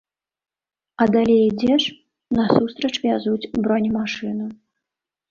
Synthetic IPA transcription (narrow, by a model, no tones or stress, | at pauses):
ɐd̪alʲɛjd͡zʲɛʂ | nɐsust̪ɾɐt͡ʂvʲazud͡zʲbɾɔnʲimaʂɨnu